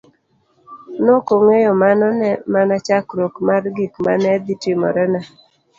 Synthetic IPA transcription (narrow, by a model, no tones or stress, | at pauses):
nokoŋejɔmanɔnɛmanat͡ʃakɾokmarɡikma̰nɛd̪itɪmɔ̰ɾɛna